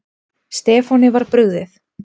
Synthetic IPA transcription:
st̪ɛːfɔnɪvaɾ̥pɾʏɣðɪθ

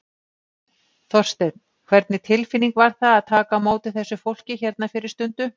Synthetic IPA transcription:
θɔr̥st̪ɛt̪n | kʰvɛɾt̪nɪt̪ʰɪlfɪnːiŋkvaɾ̥θaðaðt̪ʰaːkamoːwt̪ɪθɛsːʏfowl̥cɪçɛɾt̪nafɪɾɪɾ̥st̪ʏnt̪ʏ

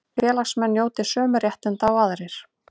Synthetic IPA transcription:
fɛːlasmɛnːjoːwt̪ɪsœːmʏɾjɛht̪ɪnt̪awaðɾɪɾ̥

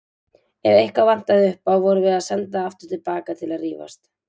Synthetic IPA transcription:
ɛvejhkawvan̥t̪aðɪʏhpawvɔɾʏvɪðaðsɛnt̪aaft̪ʏɾ̥t̪ʰɪlpaːkat̪ʰɪlaðriːva̰st̪

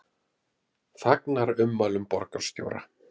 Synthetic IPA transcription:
θaknaɾʏmːaːlʏmpɔɾkaɾ̥st̪jo̰ːwɾa̰

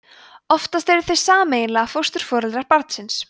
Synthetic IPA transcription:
ɔft̪ast̪ɛjɾʏ̥θej̥saːmeːjɪnlaafowst̪ʏɾ̥fɔːɾɛlt̪ɾaɾpaɾt̪sɪns

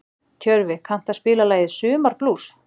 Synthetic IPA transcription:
cʰœɾvɪkʰan̥t̪aspɪːlalaːjðɪsʏːmaɾ̥plus

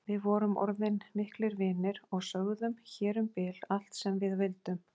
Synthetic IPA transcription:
vɪðvɔːɾʏmʔɔ̰ɾðɪnmɪhklɪɾvɪːnɪɾɔɣsœɣðʏmçɛːɾʏmpɪːlal̥t̪sɛmvɪðvɪlt̪ʏm

